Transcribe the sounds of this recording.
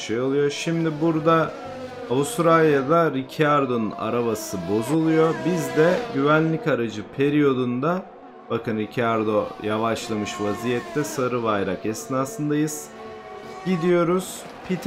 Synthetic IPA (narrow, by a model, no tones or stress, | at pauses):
ʃejo̞lˠujo̞ʃimd̪ibuɾd̪aː | vust̪ɾalʲjad̪aɾicʰaɾd̪o̞nuna̰ɾaβasɯbo̞zulˠujo̞bizd̪ɛɟyvænlʲicaɾad͡ʒɯpʰeɾijo̞d̪und̪a | bakɯnɾicʰaɾd̪o̞javaʃlˠamɯʃvazijɛt̪ʰːɛsaɾɯvajɾakɛsnaːsɯnd̪ajɯz̥ | ɟid̪ijo̞ɾuz̥ | pʰit̪ʰ